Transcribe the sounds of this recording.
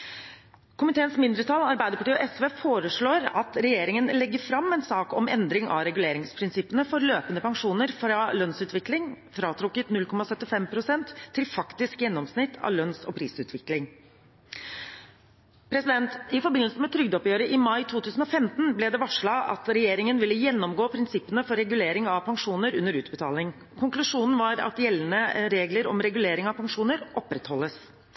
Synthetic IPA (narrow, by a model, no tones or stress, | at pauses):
kʰʊmɪt̪eːənsmɪnd̪ɾət̪ʰɑlɑɾbæɪd̪əpʰɑʈiːɔʔɛsʋeːfoːɾəʂɭoːɾɑt̪ɾɛjeːɾɪŋənlɛɡːəɾfɾɑmːɛnsɑːkɔmɛ̰nd̪ɾɪŋɑ̰ɾɛɡʉleːɾɪŋspʰɾɪnsɪpənəfɔɾløːpənəpɑŋʂuːnəɾfɾɑlœnsʉːt̪ʰʋɪklɪŋ | fɾɑːt̪ʰɾʊkːət̪nʉlkʰɔmɑsœt̪ːɪfɛmpʰɾʊsɛnt̪ʰːɪlfɑkt̪ɪskjɛnːɔmsnɪt̪ʰːɑ̰ʋlœnsɔ̰pʰɾiːsʉːt̪ʰʋɪklɪŋ | pʰɾɛsɪd̪ɛnt̪ɪfɔɾbɪnl̩səmɛt̪ʰɾʏɡd̪ɔpjøːɾəʔɪmɑɪt̪ʰuːt̪ʰʉːsn̩ɔfɛmt̪n̩blɛd̪ɛʋɑʂɭɑɑ̰t̪ɾɛjeːɾɪŋənʋɪlːəjɛnːɔmɡoːpʰɾɪnsɪpːənəfɔɾɛɡʉleːɾɪŋɑʋpʰɑŋʂuːnəɾʉnːəɾʉːt̪bət̪ʰɑːlɪŋ | kʰʊŋklʉʂuːnn̩ʋɑɾɑ̰t̪jɛlːənəɾeːɡləɾɔ̰mɾɛɡʉleːɾɪŋɑʋpɑŋʂuːnəɾʔɔpɾɛt̪hɔlːəs